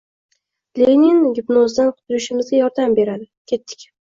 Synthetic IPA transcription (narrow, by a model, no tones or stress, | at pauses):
lenɪnɡʲʊpnɒzd̪anqʰʊ̥t̪ʊɾɪʃɪmɪzɡʲajɒɾd̪ambe̞ɾad̪ɪkʲʰe̞t̪ːɪ̥kʲ